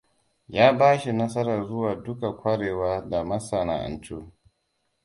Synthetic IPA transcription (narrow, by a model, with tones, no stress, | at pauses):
jaː˦baː˦ʃi˨nɐ˦sɐ˦ɾɐ˨rzʊ˦waː˨dʊ˦ka˨kʷɐ˦ɽeː˨waː˦da˨mɐ˦sa˨na̰ː˨ʔa̰˨nt͡ʃoː˦